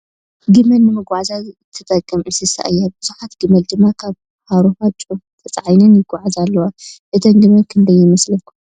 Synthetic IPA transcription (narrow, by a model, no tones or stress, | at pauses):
ɡɨmɐlːɨmɨɡʷazaɨt̪ʰɐt̪ʼɐkʼːɐmʕɨsɨsa̰ʔɨjːobɨz̥uħat̪ɡɨmɐld̪ɨmːakʰaβ | haɾohat͡ʃʼu | t̪ʰɐt͡sʼʕajnɐnjɪɡʼaʕazalːɐwaʔɨt̪ʰɐmɡɨmɐnkʰɨnd̪ɐjːɪmɐslɐkʰːu